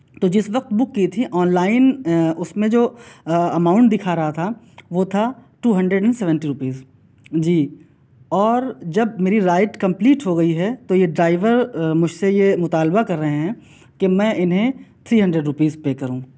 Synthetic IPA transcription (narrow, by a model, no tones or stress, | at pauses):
t̪od͡ʒɪsʋɐq̚t̪bʊkːit̪ʰiʔɔːnlaːɪnʊsmẽd͡ʒoːɐmaːʊ̃ɳʈd̪ɪkʰaɾɐɦat̪ʰa | ʋot̪ʰaʈuːɦɐ̃ɳɖɾəɖɛ̃ɳɖsɛːʋɛ̃ɳʈiɾʊpiːz | d͡ʒiː | ɔːɾd͡ʒɐbmeːɾiɾaːɪʈkɐ̃mpliːʈɦoɡɐiɦɛt̪ojeɖɾaːɪʋəɾmʊd͡ʒʱsejemʊt̪aːlbakɐɾːɐɦeɦɛ̃ | kemɛ̃ːʔɪnɦẽt̪ʰɾiːɦɐ̃ɳɖɾeɖɾʊpiːzpekɐɾũː